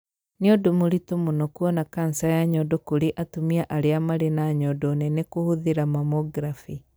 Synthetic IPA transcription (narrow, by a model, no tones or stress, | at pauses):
niodomuɾitumunɔkuɔnakan̩sajaɲɔdɔkuɾiʔatumiaʔaɾeamaɾenaɲɔdɔnɛnekuhuðiɾamamɔɡɾafi